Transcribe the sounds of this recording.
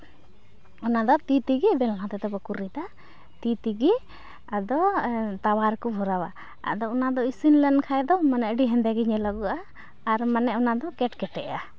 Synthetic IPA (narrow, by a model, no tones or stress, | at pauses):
ɔnad̪ɔt̪it̪iɡibɛllãt̪ɛt̪ɛbɔkuɾid̪a | t̪it̪iɡi | ad̪ɔt̪awaɾkɔbʱɔɾawa | a̰d̪ɔɔnad̪ɔisinlɛnkʰajd̪ɔmanɛʔɖiɦɛ̃nd̪ɛɡiɲɛlaɡuʔaː | ɾmanɛʔɔnad̪ɔkɛʈkɛʈɛʔa